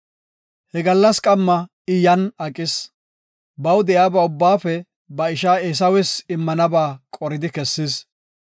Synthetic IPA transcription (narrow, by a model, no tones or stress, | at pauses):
hɛɡɐlːɐskʼɐmːɐ | ɪjɐnɐkʼɪs | bɐwd̪ɛjaːbɐʊbːaːfɛ | bɐɪʃaːes̬ɐwɛsɪmːɐnɐbaːkʼɔɾɪd̪ɪkɛsːɪs